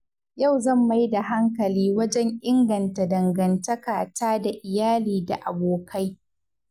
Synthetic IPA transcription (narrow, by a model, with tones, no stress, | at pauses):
ja˦˨wzɐ˦˨mːa˨˦ji˦da˨ɦa˦ŋkɐ˨liː˦wɐ˦d͡ʒɛ˦ŋʔɪ˦ŋɡɐ˨nta˨dɐ˨ŋɡɐ˨ntɐ˦kaː˨taː˦da˨ʔɪ˨jaː˦liː˨da̰˨ʔa˨boː˨ka˦j